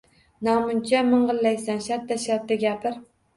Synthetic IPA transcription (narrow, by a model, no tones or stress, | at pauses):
namʊnt͡ʃʰamɨɴɢɨlːajsanʃat̪ʰːaʃat̪ːaɡʲapʰɪɾ